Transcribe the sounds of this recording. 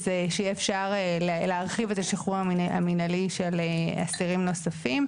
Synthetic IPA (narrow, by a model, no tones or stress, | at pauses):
zeʃejiefʃaʁeleleaʁχivet̪aʃiχuʁhamia̰minaliʃelea̰siʁimno̞safim